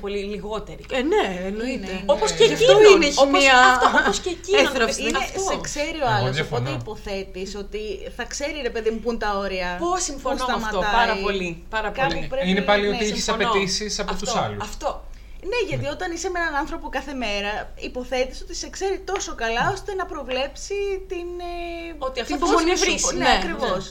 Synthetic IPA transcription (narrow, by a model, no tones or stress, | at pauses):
poliliɣo̞t̪eɾineenoinenoposeɐfonmiɐfoooscecieɐsinɐet̪osekse̞ɾioɐloponeipo̞θe̞t̪iso̞t̪iθɐkse̞ɾiɾe̞pe̞ðimupunt̪ɐo̞ɾiɐpo̞simfonossɐfmɐt̪ɐɾɐiolipɐɾɐpkɐlipɾeinepɐlioiiçesɐpet̪isisɐpot̪usɐlṵɐft̪o̞ | ne̞ʝɐt̪io̞t̪ɐnisɐmenɐnɐnθɾo̞po̞kɐθe̞me̞ɾɐ | ipo̞θe̞t̪iso̞t̪ise̞kse̞ɾit̪o̞so̞kɐlɐo̞st̪e̞nɐpɾo̞vle̞psit̪inot̪iɐft̪booniisneɐkɾivo̞s